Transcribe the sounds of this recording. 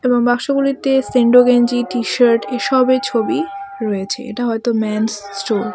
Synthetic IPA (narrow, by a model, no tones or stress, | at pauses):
eboŋbakʃoɡulit̪eseɳɖoɡend͡ʑiʈiʃaɾʈeʃɔbet͡ɕʰobiɾɔet͡ɕʰḛḛʈaɦɔet̪omɛnsːʈoɾ